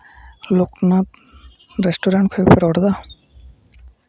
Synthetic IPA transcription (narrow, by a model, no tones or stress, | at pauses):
loknap | ɾesʈoɾaɳʈkʰojpʰeɾɔɾd̪a